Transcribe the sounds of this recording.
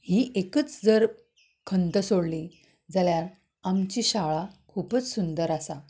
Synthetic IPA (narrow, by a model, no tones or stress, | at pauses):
hiːʔekət͡sd͡zəɾ | kʰənt̪əsoɽli | d͡zaljaɾ | amt͡ɕiːɕaɭakʰuːpət͡ssund̪əɾasa